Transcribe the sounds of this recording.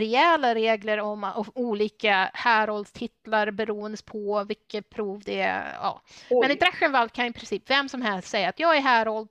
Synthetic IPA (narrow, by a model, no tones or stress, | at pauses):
ɾɛɛlaɾeːɡləɾɔmɔuːliːkahæːɾɔld̪st̪ʰɪt̪ːlaɾbɛɾuːənd̪əpʰɔvɪkːəpʰɾuːvd̪ɛ̰ɑ̰ːmɛnɪd̪ɾaɧənvalkʰanjɪpʰɾɪnsiːpvɛmːsɔmɦɛlst̪sɛjːaːt̪jɑːɡæɾɦæːɾɔld̪